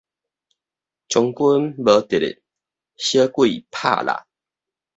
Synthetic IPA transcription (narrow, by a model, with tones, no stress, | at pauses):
t͡ɕɔ˨˦ŋku˦nbə˨˦t̪e˨ɾḛ˨ | ɕə˦kwi˦˥˨pʰa̰˥˨la̰˨